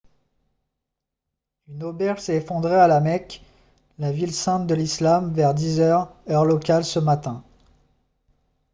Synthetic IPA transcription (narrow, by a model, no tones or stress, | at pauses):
ynobɛʁʒsɛefɔ̃d̪ʁealamɛk | lavilsɛ̃t̪̚d̪əlislamvɛʁd̪izœʁœʁlɔkʲalsəmat̪ɛ̃